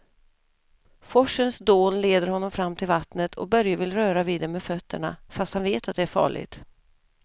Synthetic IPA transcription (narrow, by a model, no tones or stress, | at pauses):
fɔʂənsd̪oːnleːd̪əɾhɔnːɔmfɾamːt̪ʰɪlvat̪nət̪ʰɔ̰k̚bœɾjavɪlɾœːɾaviːd̪ɛmefœt̪ːəɳa̰fast̪hanveːt̪at̪̚d̪ɛæɾfɑ̰ːɭɪ̰ɡt̪